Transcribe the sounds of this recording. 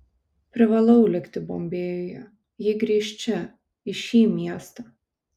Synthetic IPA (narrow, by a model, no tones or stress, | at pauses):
pʲɾʲɪʋɐlˠɐʊlʲɪkt̪ʲɪboːmʲbʲeːjɔjɛ | jɪɡɾʲiɛʃʲt͡ʃʲɛ | ɪʃʲiːmʲiɛst̪ɐ